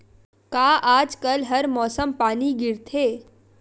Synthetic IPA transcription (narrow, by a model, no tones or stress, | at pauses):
kaːʔaːd͡ʒkɐlɦɐɾmɔːsəmpaːniɡɪɾt̪ʰeː